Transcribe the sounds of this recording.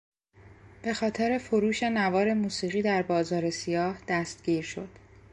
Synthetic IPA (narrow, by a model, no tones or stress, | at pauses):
b̥e̞xɒːt̪ʰeɾe̞foɾuːʃe̞nævɒːɾe̞muːsiːɣiːd̪æɾbɒːzɒːɾe̞sijɒːhd̪̥æst̪̚ɟ̥iːɾʃo̞d̪̥